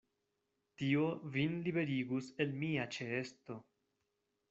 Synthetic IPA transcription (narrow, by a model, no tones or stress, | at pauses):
tio̞vinlibe̞ɾiɡuse̞lmiat͡ʃe̞esto̞